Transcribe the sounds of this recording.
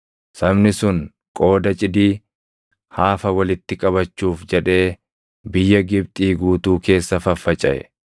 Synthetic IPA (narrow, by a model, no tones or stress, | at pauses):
sɐbnɪsʊŋ | kʼo̞ːd̪ɐt͡ʃʼɪd̪iː | haːfɐwɐlɪt̪ːɪkʼɐβɐt͡ʃːuːfd͡ʒɛᶑe̞ː | bɪjːɐɡɪbt̪ʼiːɡuːt̪uːke̞ːsːɐfɐfːɐt͡ʃʼɐʔɛ̰